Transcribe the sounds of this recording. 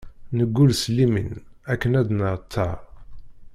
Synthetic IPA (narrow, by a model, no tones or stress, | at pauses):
nəɡːulslːimḭnækːənæd̪nəʁt̪ʰːɑ